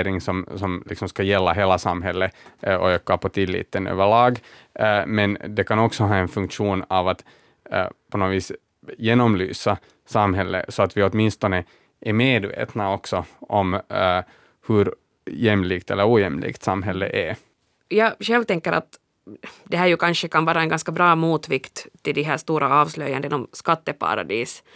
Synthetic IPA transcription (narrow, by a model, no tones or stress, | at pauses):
ɾɪŋsɔmsɔmlɪ̰ksɔmskɑjɛlːaɦeːlasamɦɛlːəɔɛkːɑpɔt̪ʰɪlːḭːt̪ːənø̰ːvəɭɑːɡ | mɛnd̪ɛkʰanɔksɔɦɑːɛnfɵŋkʂuːnavat̪ | pʰɔnoːviːs | jeːnɔmly̰ːsa | samɦɛlːə̰sɔat̪ʋɪɔt̪mɪnst̪ɔnə | ʔæɾmeːd̪vḛːt̪naɔksɔʔɔm | hɵɾ | jɛmliːkt̪ʰɛlːəɾuːjɛmlʔḭːkt̪samɦɛlːə̰ʔæɾ | jɑːɕɛlʋt̪ɛŋkːəɾa̰t̪ | d̪ɛɦæːɾjɵkʰɑnʂəkʰanvɑːɾaɛnɡɑnskabɾɑːmuːt̪ʋɪkt̪ʰːɪld̪ɪɦæːʂt̪uːɾaɑːvslœjand̪ɛnɔmskat̪ːəpʰa̰ɾa̰d̪iːs